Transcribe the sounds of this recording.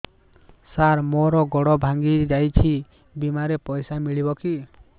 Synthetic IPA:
saɾmɔɾɔɡɔɽɔbʱaŋɡid͡ʒajt͡ʃʰi | bimaɾepɔjsamiɭibɔki

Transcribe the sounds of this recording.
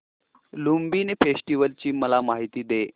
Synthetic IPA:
lumbinefesʈiʋəlt͡ɕiːməlamaɦit̪iːd̪e

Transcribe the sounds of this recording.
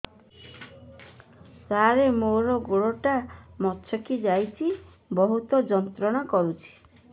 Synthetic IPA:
saɾemoɾɔɡoɭɔʈamɔtːʃʰɔkid͡ʒajt͡ʃʰi | bɔɦut̪ɔd͡ʒɔnt̪ɾɔɽ̃ɔkɔɾut͡ʃʰi̥

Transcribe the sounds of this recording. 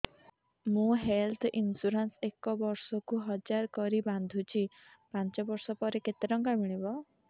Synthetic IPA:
mũɦelt̪ʰinsuɾansekɔbɔɾsɔkuɦɔd͡ʒaɾkɔɾiband̪ʱut͡ʃʰipant͡ʃɔbɔɾsɔpɔɾeket̪eɾɔŋkamiɭ̃ibɔ

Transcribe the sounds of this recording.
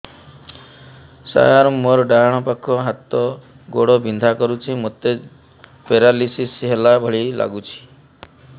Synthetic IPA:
sa̰ɦaɾmɔɾɖaɽ̃ɔpakʰɔɦat̪ɔ | ɡoɽɔbind̪ʱakɔɾut͡ʃʰimot̪e | peɾalisisɦelabʱɔɭila̰ɡut͡ʃʰi̥

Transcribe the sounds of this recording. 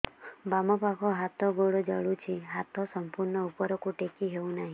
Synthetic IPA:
bamɔpakʰɔɦat̪ɔɡoɽod͡ʒəɭut͡ʃʰiɦat̪ʰɔsɔmpuɾɳɔupɔɾɔkuʈekiɦeũnaɦĩ

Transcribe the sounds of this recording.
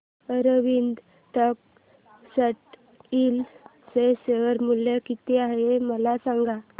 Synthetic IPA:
əɾəʋind̪ | t̪ək̚ | səʈ | il | seseʋəɾmuljəkit̪eaɦeməlasãŋɡa

